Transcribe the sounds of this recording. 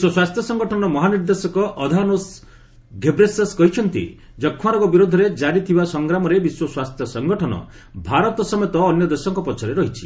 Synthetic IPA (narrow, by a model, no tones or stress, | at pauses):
biswɔswast̪ʰjɔsɔŋɡɔʈʰɔnɔmɔɦaniɾd̪esɔkɔʔɔd̪ʱanos | ɡʱebɾeseskɔɦit͡ʃʰɔnt̪ḭ | d͡ʒɔkʰːaɾɔɡɔbiɾod̪ʱɔɾed͡ʒaɾit̪ʰibasɔŋɡɾamɔɾebiswɔswast̪ʰjɔsɔŋɡɔʈʰɔnɔ̰ | bʱaɾɔt̪ɔsɔmet̪ɔːnjɔd̪esɔŋkɔpɔt͡ʃʰɔɾeɾɔɦit͡ʃʰi̥